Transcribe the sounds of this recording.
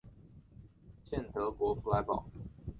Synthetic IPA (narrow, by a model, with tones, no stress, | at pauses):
t͡ɕʰjɛ˥˩nt̪ʰɤ˧˥kwɔ˧˥fu˧˥la˧˥ɪpɑ̰˨˩˦ʊ